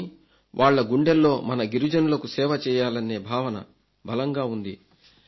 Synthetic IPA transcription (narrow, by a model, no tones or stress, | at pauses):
i | ʋʔaːɭːɐɡuɳɖelːo̞ːmɐnɐɡiɾud͡ʒɐnulɐkusɛːʋɐt͡ʃɛːjaːlɐnːe̞ːbʱaːʋɐnɐ̰ | bɐlɐŋɡaːund̪ḭ